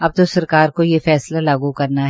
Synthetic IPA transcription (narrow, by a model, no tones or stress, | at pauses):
ɐb̚t̪osɐɾkaːɾkojefɛːslalaːɡukɐɾnaɦ